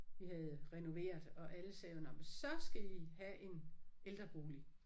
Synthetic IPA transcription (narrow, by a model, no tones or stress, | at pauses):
ʋihæð̞̩ˠʁɛno̝ʋe̝̰ːɐðˠɒ̽ʔæləsɛːnɒməsɒ̽sɡ̥æihæʔe̝neld̥ʁɐb̥o̝ːli